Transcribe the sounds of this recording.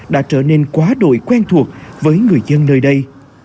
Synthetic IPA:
ɗa̰ː˧˥t͡ɕəː˧˩ne˧nkwaː˨˦ɗo̰˧˨jkwɛ˧nt̪ʰu˨˩ək̚vəː˨˦jŋɨ˨˩əjzə˧nːəː˧jɗə˧j

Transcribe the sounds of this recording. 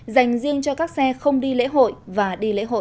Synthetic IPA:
za˨˩jŋ̟zi˧əŋt͡ɕɔ˧kaː˦˥k̚sɛ˧xə˧wŋ͡mɗi˧lḛ˧˥ɦo̰˧˨jvaː˨˩ɗi˧lḛ˧˥ɦo̰˧˨

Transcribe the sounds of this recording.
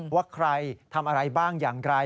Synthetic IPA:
waː˥˩kʰɾa˧jt̪ʰa˧mʔa˧ɾa˧jbaː˥˩ŋjaː˨˩ŋɾa˧

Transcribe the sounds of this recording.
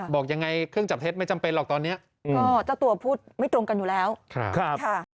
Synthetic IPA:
bɔː˨˩k̚ja˧ŋːa˧jkʰɯ˥˩ŋt͡ɕa˨˩p̚t̪ʰe˦˥t̪̚m˥˩t͡ɕa˧mpe˧nlɔː˨˩k̚t̪ɔː˧nːi˦˥ɐ | kɔː˧˥˩t͡ɕa˨˩t̪u˧ɐpʰuː˥˩t̪̚ma˥˩jt̪ɾo˧mka˧njuː˨˩lɛː˦˥wkʰɾa̰˦˥˩kʰa˦˥˩kʰa˥˩

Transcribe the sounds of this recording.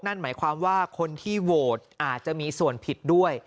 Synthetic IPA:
na˥˩nmaː˩˦jkʰwaː˧mwaː˥˩kʰo˧nt̪ʰiː˥˩woː˨˩t̪̚ʔaː˨˩t̪̚t͡ɕa˨˩ʔmiː˧su˨˩ənpʰi˨˩t̪̚du˥˩əj

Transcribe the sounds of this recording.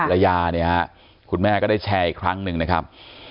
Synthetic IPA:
ɾa˧jaː˧ni˦˥ɐha˦ | kʰu˧nmɛː˥˩kɔː˥˩daː˥˩jt͡ɕʰɛː˧˩ʔiː˨˩kʰɾa˦˥ŋnɯ˨ŋna˦˥kʰa˦˥p̚

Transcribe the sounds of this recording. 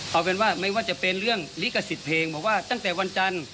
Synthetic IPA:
ʔa˧wpe˧˦nwaː˧˩ma˧˩jwaː˧˩t͡ɕa˧˩pe˧nɾɯ˥˩əŋliː˦ka˧˩si˨˦t̪̚pʰeː˧ŋbɔː˨˩˦k̚waː˧˥˩t̪a˧˥˩ŋt̪ɛː˨˩wa˧nt͡ɕa˧n

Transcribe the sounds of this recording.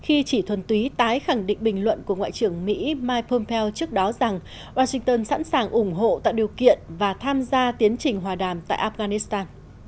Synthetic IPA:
xi˧t͡ɕi˧˩t̪ʰwə˨˩nt̪wi˨˦t̪aː˨˦jxa˧˩ŋɗḭ̈˧˨ŋ̟ɓï˨˩ŋ̟lwə̰˧˨nku˧˩əŋwa̰ː˧˨jt͡ɕɨ˧˩əŋmḭ˧˥maː˧jpʰo˧mpʰɛ˧wt͡ɕɨ˦˥ək̚ɗɔ˨˦za˨˩ŋ | waː˧sï˧ŋt̪əː˧nsa̰˧˥nsaː˨˩ŋʔʊ˧˩ŋ͡mɦo̰˧˨t̪a̰ː˧˨jɗi˨˩əwkḭ˧˨ənvaː˨˩t̪ʰaː˧mzaː˧t̪i˨˦ənt͡ɕï˨˩ŋ̟ɦwaː˨˩ɗaː˧˩mt̪a̰ː˧˨ʔaː˧f̚ɣaː˧ni˦˥st̪aː˧n

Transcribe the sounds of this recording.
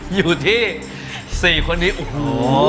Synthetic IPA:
juː˨˩t̪ʰiː˥˩ | siː˨˩kʰo˧nːiː˦˥ʔo˨˧ho˨˦

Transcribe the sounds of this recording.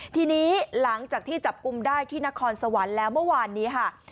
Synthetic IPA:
t̪ʰiː˧niː˦˥la˩˦ŋt͡ɕaː˨˩k̚t̪ʰiː˥˩t͡ɕa˨˩p̚ku˧mdaː˥˩jt̪ʰiː˥˩na˦˥kʰɔː˧nsa˧wa˩˦nlɛː˦˥wmɯ˥˩əwaː˧nːiː˦˥kʰa˥˩

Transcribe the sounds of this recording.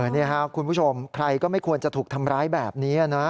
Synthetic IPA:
nːi˥˩ɐkʰa˦˥kʰu˧npʰuː˥˩t͡ɕʰo˧mkʰɾa˧jkɔː˥˩ma˥˩jkʰu˧ənt͡ɕa˨˩t̪ʰuː˨˩k̚t̪ʰa˧mɾaː˦˥jbɛː˨˩p̚niː˦˥a˨˩nɔ˦˥

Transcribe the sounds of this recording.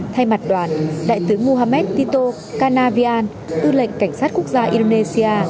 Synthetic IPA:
t̪ʰa˧jma˨˩t̚ɗwaː˨˩nɗa̰ː˧˨jt̪ɨ˨˦mu˧ɦaː˧mɛ˦˥t̚t̪i˧t̪o˧ | kaː˧naː˧vi˧ʔaː˧n | ʔɨ˧lə̰˧˨ŋ̟ka˧˩ŋ̟saː˦˥t̚ku˦˥ək̚zaː˧ʔi˧ɗo˧ne˧si˧aː˧

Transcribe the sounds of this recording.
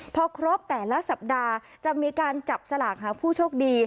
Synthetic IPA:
pʰɔː˧kʰɾo˦˥p̚t̪ɛː˨˩la˦˥sa˨˩p̚daː˧ | t͡ɕa˨˩miː˧kaː˧nt͡ɕa˨˩p̚sa˧laː˨˩k̚ɦaː˩˦pʰuː˥˩t͡ɕʰoː˥˩k̚diː˧

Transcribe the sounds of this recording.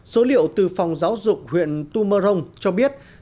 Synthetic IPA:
so˨˦lḭ˧˨əwt̪ɨ˨˩fa˨˩wŋ͡mzaː˨˦wzʊ˨˩k͡p̚hwḭ˧˨ənt̪u˧məː˧zə˧wŋ͡mt͡ɕɔ˧ɓi˦˥ət̚

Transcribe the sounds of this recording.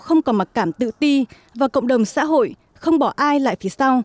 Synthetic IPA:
xə˧wŋ͡mkɔ˨˦ma˨˩t̚kaː˧˩mt̪ɨ̰˧˨t̪i˧ | vaː˨˩wkə̰˧˨ŋ͡mɗə˨˩wŋ͡msa̰ː˧˥ɦo̰˧˨j | xə˧wŋ͡mɓɔ˧˩ʔaː˧jla̰ː˧˨jfi˨˦sa˧w

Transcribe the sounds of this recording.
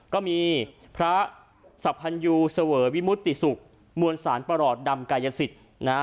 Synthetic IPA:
kɔː˥˩miː˧ | pʰɾa˦˥ | sa˨˩pʰːa˧njuː˧sa˧wɤː˩˦wi˦˥mu˦˥t̪ːi˨˩su˨˩k̚ | mu˧ənsaː˩˦npa˧ɾɔː˨˩t̪̚da˧mkaː˧ja˧si˨˩t̪̚ | na˦˥

